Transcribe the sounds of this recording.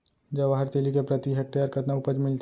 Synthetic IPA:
d͡ʒɐʋaɦəɾt̪eːlikepɾɐt̪iɦek̚ʈejəɾkɐt̪naʊpəd͡ʒmɪlt̪

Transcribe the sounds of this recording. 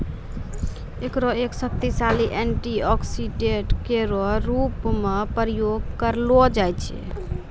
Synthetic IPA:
ekɾoeksəp̚t̪isaliʔeɳʈiɔksiɖeʈkeɾɔɾupmepɾəjoɡkəɾlɔd͡ʒajt͡ʃʰɛ̰

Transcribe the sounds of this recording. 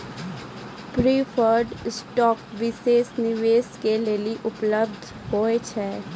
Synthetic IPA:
pɾiːfʰəɾɖsʈɔːkʋɪseːsnɪʋeːskeleliʔʊpləb̚d̪ʱ | ɦoːet͡ʃʰɛː

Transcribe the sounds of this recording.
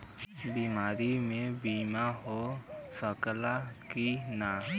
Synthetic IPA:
biːmaːɾimẽbiːmaɦosəkəlakinaː

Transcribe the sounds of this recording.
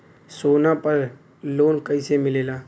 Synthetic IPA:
soːnapəɾ | loːnkəɪsemɪleːlaː

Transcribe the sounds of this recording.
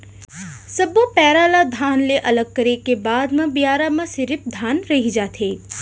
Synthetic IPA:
sɐbopɛːɾalad̪ʱaːnleʔɐləɡ̚kəɾekebaːd̪mãbijaːɾamãsɪɾɪfd̪ʱaːnɾɐɦid͡ʒaːt̪ʰeː

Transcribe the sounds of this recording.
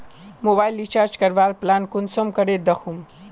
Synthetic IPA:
mobaːjlit͡ʃaːɾd͡ʒkɐɾʋaːɾplankʊnsomkɐɽed̪ɐxum

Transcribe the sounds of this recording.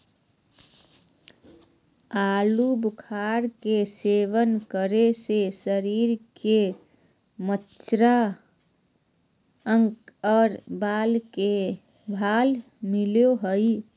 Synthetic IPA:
alubukʰaɾkeseʋənkəɾesesəɾiɾke | mət͡ʃt͡ʃɾa | əŋkɔːɾbalke | bʱal | miljoɦəj

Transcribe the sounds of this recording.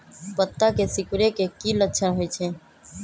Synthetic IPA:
pət̪ːakesɪkʊɾekekiːlətːʃʰənɦoit͡ʃʰẽː

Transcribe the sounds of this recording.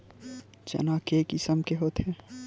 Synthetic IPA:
d͡ʒɐ̰naːkeːkisəmkeɦoːt̪ɦɛ

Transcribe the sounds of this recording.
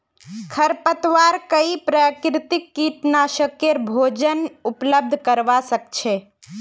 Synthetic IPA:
kʰəɾpət̪ʋaɾkəipɾəkɾɪt̪ikːit̪naʃəkjeɾbʱod͡ʒənupləb̚d̪ʱkəɾʋasək̚t͡ʃʰe

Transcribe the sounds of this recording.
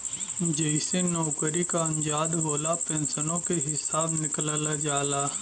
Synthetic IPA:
d͡ʒeɪsenɔʊkəɾikaɐ̃nd͡ʒaːd̪boːlapɛ̃ːnsənõkeɦɪsaːbnɪklalad͡ʒaːlaː

